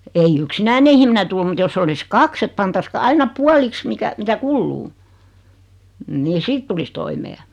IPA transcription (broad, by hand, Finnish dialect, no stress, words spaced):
ei yksinæine ihmine tul mut josː olis kɑks etː pɑntɑs kɑ ɑinɑ puɑliks mikæ mitæ kulːuː ni sit tulis toimeː